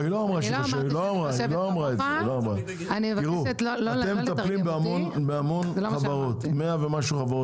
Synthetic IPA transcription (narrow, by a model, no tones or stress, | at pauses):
iloamʁaʃekaʃailoamʁailoamʁaeeiloamʁa | anivɡiʁutlaemːt̪atlimbeamonbeamo̞nχavaʁo̞t̪meavemaʃuχavaʁo